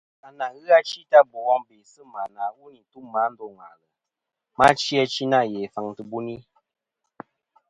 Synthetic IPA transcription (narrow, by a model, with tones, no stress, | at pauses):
a˨na˨ɣɨ˦a˦t͡ʃi˦ta˦bu˨wɔ˦ŋbe˨sɨ˦˨ma˨na˨wu˦ni˨n˨tu˦mːa˨˦n̩˦do˦˨ŋa˨lə˨ | ma˦t͡ʃi˦a˧˦t͡ʃi˦na˦˨jɛ˨fa˨ŋtɨ˨bu˦ni˦